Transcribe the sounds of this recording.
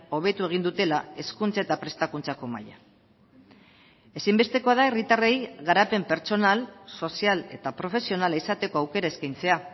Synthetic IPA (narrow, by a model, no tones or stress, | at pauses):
o̞β̞e̞t̪ue̞ɣ̞ind̪ut̪e̞lae̞skunt͡saet̪apɾe̞st̪akunt͡sako̞ma̰ʎa̰ | e̞simbe̞st̪e̞ko̞aðae̞rit̪arejɣaɾape̞mpe̞ɾt͡so̞nalso̞siale̞t̪apɾo̞fe̞sio̞nalaisat̪e̞ko̞awke̞ɾae̞skajnt͡se̞a